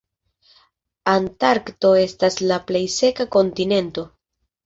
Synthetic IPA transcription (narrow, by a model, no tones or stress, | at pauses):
antaɾkto̞e̞staslaple̞jse̞kako̞ntine̞nto̞